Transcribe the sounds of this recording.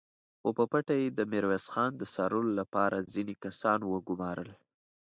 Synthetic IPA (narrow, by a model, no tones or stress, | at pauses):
xopəpaʈajed̪əmɪɾwesxɑnd̪əsɑɾəlolapɑɾʔazinekasɑnwəɡʊmɑɾəl